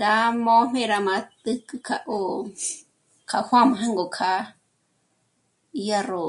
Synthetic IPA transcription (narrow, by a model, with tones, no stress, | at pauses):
ɾa˧˦mõ˦m̥ẽ˧ɾa˧mã˧t̪ɨ˦kɨ˧kʰa˧ʔo˧ | kʰa˧hʷwʷã˦mã˧ɦã˦ŋɡo˨kʰa˧˦˧ | ja˧ro˨